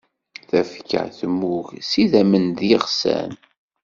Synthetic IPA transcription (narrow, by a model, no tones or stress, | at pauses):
θæfka̰ə̰θəmːuʝsiðæmənd̪iʁsæ̰n